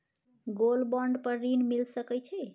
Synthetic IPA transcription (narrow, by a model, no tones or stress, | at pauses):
ɡolbɔɳɖpəɾːinmilsəkɛt͡ʃʰɛ